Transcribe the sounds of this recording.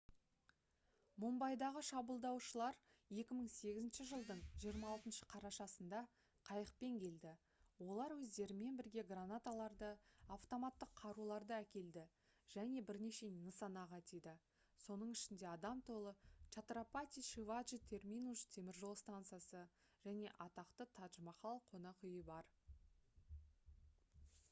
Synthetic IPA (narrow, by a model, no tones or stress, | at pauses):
mombɑjd̪ɑʁəʃɑbəlˠd̪ɑwʃəlˠɑɾje̞kʲɪməɴse̞ɡʲɪzɪnʃɪʒəlˠd̪əɴʒijəɾmɑːlˠt̪ənʃə̥qʰɑɾɑʃɑsənd̪ɑ | qʰɑjəq̚pe̞ŋkʲʰe̞ld̪ɪ | wo̞lˠɑɾwɵzd̪e̞ɾɪme̞nbɪɾɡʲe̞ɡranat̪alˠɑɾd̪əaft̪o̞mat̪ːəqʰːɑɾulˠɑɾd̪əækʲe̞ld̪ɪ | ʒ̥æne̞bɪɾne̞ʃe̞ninəsɑnɑʁɑt̪ijd̪ɪ | so̞nəɴɪʃɪnd̪e̞ɑd̪ɑmt̪ʰo̞lˠət͡ʃat̪ɾapat̪ʲijʃivaʒit̪ʲʰe̞rmʲinust̪ʰe̞mɪɾʒolˠst̪ant̪sɨjasə | ʒ̥æne̞ʔɑt̪ɑqt̪ət̪ʰɑt̪ʒəmɑχɑlˠəqʰo̞nɑqʏjəbɑɾ